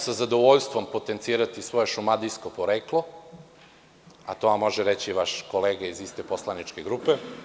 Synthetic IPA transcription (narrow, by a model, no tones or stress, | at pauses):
sazad̪oʋoʎst̪vʋo̞mpo̞t̪ent̪siːɾat̪isʋo̞jeʃumad̪iskopo̞ɾeːklo | a̰t̪o̞amːo̞ʒɛɾet͡ɕiʋaʃko̞leːɡaizist̪eposlˠanit͡ʃkeɡɾupe